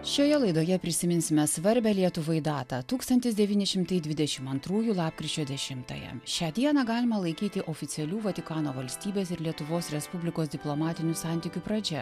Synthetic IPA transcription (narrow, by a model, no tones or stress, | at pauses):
ʃʲoːjɛlˠɐɪd̪oːjɛpʲɾʲɪsʲɪmʲɪnʲsʲɪmʲɛsʋɐɾʲbʲɛːlʲiɛt̪ʊʋoɪd̪ɑːt̪ɑt̪uːkst̪ɐnʲt̪ʲɪsd̪ʲɛʋʲiːnʲɪʃʲɪmt̪ɐɪd̪ʲʋʲɪd̪ʲɛʃʲɪmɐnt̪ɾuːjuːlˠɑːpkɾʲit͡ʃʲoːd̪ʲɛʃʲɪmt̪ɐ̰jɛ̰ʃʲæːd̪ʲiɛnɑɡɑːlʲɪmɐlˠɐɪkʲiːt̪ʲɪʔoːfʲɪt̪sʲɛlʲuːʋɐt̪ʲɪkɑːnoːʋɐlʲsʲt̪ʲiːbʲeːsɪɾlʲiɛt̪ʊʋoːsɾʲɛspʊbʲlʲɪkoːsd̪ʲɪplˠomɑːt̪ʲɪnʲuːsɑˑnʲt̪ʲɪkʲuːpɾɐd͡ʒʲɛ